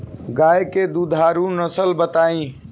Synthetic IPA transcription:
ɡaːjked̪uːd̪ʱaːɾũnəsəlbət̪aːĩː

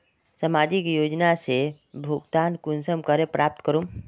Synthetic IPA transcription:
səmad͡ʒikjod͡ʒnase | bʱuɡt̪ankunsəmkəɾepɾʔap̚t̪kəɾum

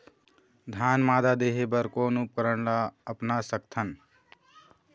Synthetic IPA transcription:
d̪ʱanmaːd̪ad̪eɦebəɾkoːnup̚kəɾəɳlaəpnasək̚t̪ʰən

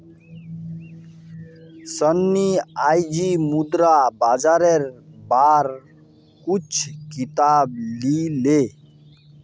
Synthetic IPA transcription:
sənːiajd͡ʒimud̪ɾabad͡ʒaɾeɾbaːɾ | kut͡ʃʰkit̪aːb̚lile

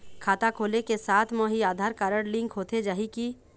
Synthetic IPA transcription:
kʰaːt̪akʰoːlekesaːt̪ʰmə̃ɦiaːd̪ʱaːɾkaːɾəɽlɪ̃ŋkɦoːt̪ed͡ʒaːɦiki

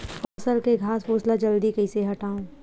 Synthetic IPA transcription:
ɔːsəɾkeɡʱaːsfoːslad͡ʒəld̪ikəiseɦɐʈaːũː

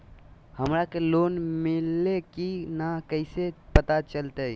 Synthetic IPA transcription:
həmɾakeloːnmɪlːekinakəɪsepət̪at͡ʃəlt̪e

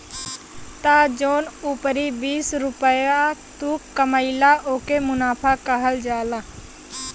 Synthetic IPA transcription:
t̪aːd͡ʒoːnuːpəɾibiːsɾʊpəjat̪uːkːəməɪlaʔoːkemʊnaːpʰakəɦəld͡ʒaːlaː

